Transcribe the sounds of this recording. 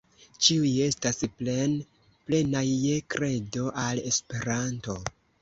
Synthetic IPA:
t͡ʃiuje̞stasn | ple̞naːekɾe̞do̞ʔale̞spe̞ɾanto̞

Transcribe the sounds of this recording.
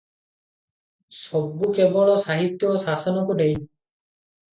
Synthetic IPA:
sɔbːukebɔɭɔsaɦit̪jɔsasɔnɔkuɖej

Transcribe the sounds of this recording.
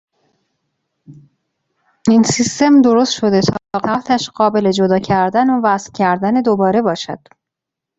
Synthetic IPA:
insist̪e̞md̪o̞ɾost̪ʃo̞d̪e̞t̪ʰɒːbɒɣæt̪ʰæʃɢɒːbe̞le̞d͡ʒod̪ɒːcʰæɾd̪ænovæsfcʲʰæɾd̪æned̪obɒːɾe̞bɒːʃæ̰d̪̥

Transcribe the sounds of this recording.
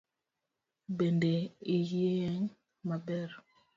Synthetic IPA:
bendeijeɛŋ | mabɛɾ

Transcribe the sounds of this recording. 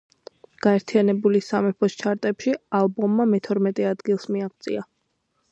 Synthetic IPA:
ɡ̥aɛɾt̪ʰianɛbulisamɛpʰɔst͡ʃʰaɾt̪ʼɛpʃialˠbɔmːamɛt̪ʰɔɾmɛt̪ʼɛad̪ɡilˠsmiaqt̪sʼḭa

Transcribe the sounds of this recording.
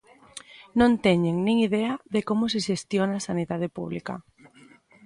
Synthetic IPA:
nõnt̪ɛɲeŋnĩŋiðɛɐðekomʊseʃest̪jonasaniðað̞epuβlikɐ̰

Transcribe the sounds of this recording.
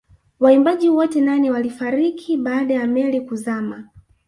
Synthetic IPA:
waimbaʄiwɔtɛnaniwalifaɾikʰiɓaːɗajamɛlikuzama

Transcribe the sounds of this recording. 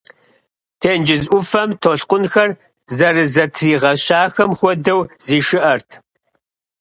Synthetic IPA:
tʰeːnd͡ʒɪzʔʷʊfɐmtʰoɬqʷʊnxɐr | zɐrɨzɐtʰriːʁɐɕaːxɐmxʷɔdɐwziːʃɨʔɐrtʰ

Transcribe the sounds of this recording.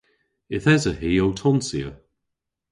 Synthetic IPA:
ɪθɛzəɦiːowtʰɔnsiə̰

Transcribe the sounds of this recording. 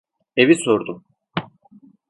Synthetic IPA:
eviso̞ɾd̪u

